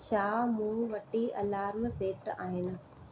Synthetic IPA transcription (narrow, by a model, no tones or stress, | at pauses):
ʃaːmũːʋɐʈiʔɐlaːɾmseːʈa̰ːɦɪnɪ̆